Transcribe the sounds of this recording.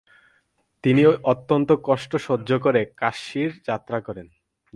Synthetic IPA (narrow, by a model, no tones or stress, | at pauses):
t̪inioʔot̪ːont̪okɔʃʈoʃodːd͡ʑokoɾekaʃiɾd͡ʑat̪ːɾakɔɾen